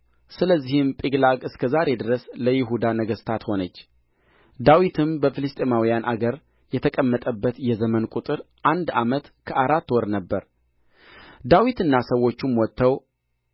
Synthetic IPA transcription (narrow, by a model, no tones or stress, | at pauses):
sɨləzːihɪmpʼiɡlaɡɨskʰəzaɾe̞d̪əɾəsləjɪɦud̪anəɡəst̪ʰat̪ho̞nət͡ʃː | d̪awit̪ʰɨmbəfɨlɨst̪ʼemawijanʔaɡəɾ | jɛt̪ʰəkʼəmːət̪ʼəbːət̪jɛzəmənkʼut̪ʼɨɾʔand̪amət̪kʰəʔaɾat̪ːwɔɾnəbːəɾ | d̪awit̪ɨnːasəwːo̞t͡ʃːumwɔt̪ʰːəw